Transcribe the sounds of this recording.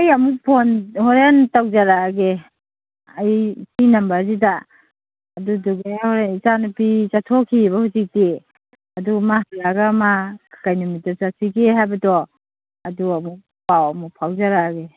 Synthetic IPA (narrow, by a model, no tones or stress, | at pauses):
ajamupʰɔnhɔɾentawzaɾaɡe | ajpinambazidaː | duduɡehɔɾenizanupizatʰɔkʰibahuzik̚te | adumahijaɡamakʰḁkajnumit̚azasiɡeɦajbadɔ | aduamu | pawamupʰawzaɾaɡe